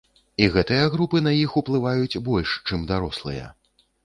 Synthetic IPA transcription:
iɣɛt̪ɨjɐɣɾupɨnɐjixuplˠɨvajut͡sʲbɔlʲʂt͡ʂɨmd̪aɾɔslˠɨ̰jɐ̰

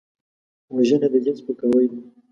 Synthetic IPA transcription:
waʒənad̪əd͡ʒɪnspəkawəj

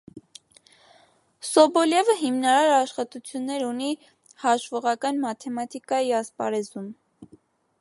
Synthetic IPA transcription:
sɔbɔljɛvəɦimnɑɾɑɾɑʃχɑt̪ut͡sʰjunːɛɾuni | hɑʃvɔʁɑkɑnmɑt̪ʰɛmɑt̪ʰikɑiɑspɑ̰ɾɛzum

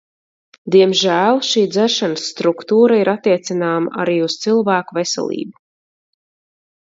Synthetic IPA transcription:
d̪iɛmʒæːlˠʃiːd̪zæɾʃanəsːt̪ɾukt̪uːɾaiɾat̪ːiɛt̪sinaːma̰ʔa̰ɾiːust̪silˠvæːkuvesɛ̰lˠḭːbu̥

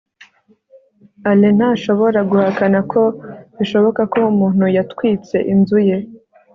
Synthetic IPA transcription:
alen̥haʃo̞βo̞ɾaɡuhakanakʰo̞iʃo̞βo̞kako̞umuːn̥hujatkwiːt͡se̞ʔinzuje̞

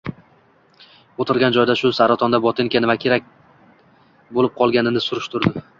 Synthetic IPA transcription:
ot̪ʰɪɾɡʲand͡ʒɒjd̪aʃʊsaɾat̪ʰɒnd̪abɒt̪ʰeŋkʲanɪvakʲʰeɾak̚ʲ | bolɪp̚qʰɒlˠɡʲanɪnɪsʊɾɪʃt̪ʰʊɾd̪ɪ

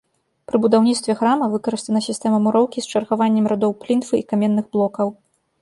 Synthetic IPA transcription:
pɾɨbud̪awnʲit̪st̪vʲɛxɾamɐvɨkɐɾɨst̪vɐnɐsʲist̪ɛmɐmuɾɔwkʲist͡ʂɐrɣavanʲːɛmɾad̪ɔwplʲint̪fɨikamʲɛnːɨɣblˠɔkɐw

